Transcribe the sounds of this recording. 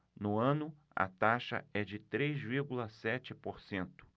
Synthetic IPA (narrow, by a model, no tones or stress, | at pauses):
nʊɐ̃nʊ | ɐ̰t̪aʃɐ̰ɛd͡ʒɪt̪ɾejzviɾɡulɐsɛt͡ʃɪpoɾsẽnt̪ʊ̥